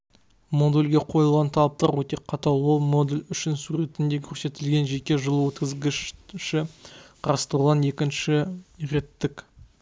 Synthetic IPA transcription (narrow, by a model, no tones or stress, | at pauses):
mo̞d̪elʲɡʲe̞qʰo̞jəlˠʁɑnt̪ʰɑlˠɑp̚t̪ɑɾwɵt̪e̞qʰɑt̪ɑwo̞lˠmo̞d̪elʲʏʃɪnsuɾe̞t̪ɪnd̪e̞kʲʰɵɾse̞t̪ɪlɡʲe̞nʒe̞kʲe̞ʒəlˠwɵt̪kʲɪzɡʲɪʃʃɪqʰɑɾɑst̪ɾulʁɑne̞kʲɪnʃɪɾe̞t̪ːɪkʲ